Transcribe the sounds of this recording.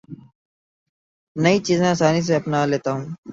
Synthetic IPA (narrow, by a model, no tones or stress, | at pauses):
nəit͡ʃiːzẽasaːnis̬eɐpnaːleːt̪aːɦũː